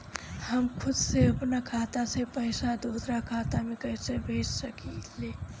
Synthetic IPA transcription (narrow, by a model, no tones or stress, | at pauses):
həmkʰud̪seəpnakʰat̪asepəjsad̪usɾakʰat̪amekəjsebʱed͡ʒsəkit̪ʰle